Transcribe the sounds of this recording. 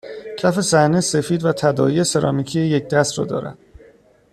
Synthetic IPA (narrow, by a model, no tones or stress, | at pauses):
cʰæfe̞sæhnese̞fiːd̪væt̪ʰæd̪ɒːiese̞ɾɒ̰ːmicʰijeje̞c̚d̪æst̪ɾɒ̰ːd̪ɒ̰ːɾæ̰d̪̥